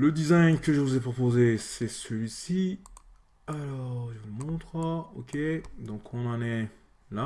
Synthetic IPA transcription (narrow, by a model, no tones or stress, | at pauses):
ləd̪izajɲkəʒəvuzepχopozesɛsəlɥisi | alɔʁʒəvumɔ̃t̪χaokʰʲed̪ɔ̃kʰɔ̃nɑ̃nɛ | la